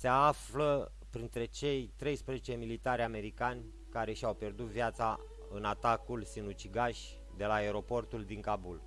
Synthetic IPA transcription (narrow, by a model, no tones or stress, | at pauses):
se̞aflə | pɾint̪ɾe̞t͡ʃe̞jt̪ɾe̞jspɾezet͡ʃe̞milit̪aɾʲame̞ɾikanʲ | kaɾe̞ʃiawpje̞rd̪ut̪vijat̪sa | ɨnat̪akulsinut͡ʃiɡaʃʲ | d̪e̞laeɾo̞po̞rt̪uld̪iŋkabul